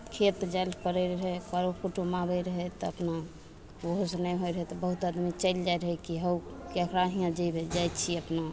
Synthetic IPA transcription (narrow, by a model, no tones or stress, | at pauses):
kʰet̪d͡ʒajlkəɾəɾəɦɛkaɾokuʈumabəɾəɦɛt̪ɔəpna | oɦosnɛjɦojɾəɦɛt̪ɔbəɦut̪ad̪mit͡ʃəjld͡ʒajɾəɦɛkiɦəwkekɾaɦiãd͡ʒəjbʱed͡ʒajt̪t͡ʃʰiəpna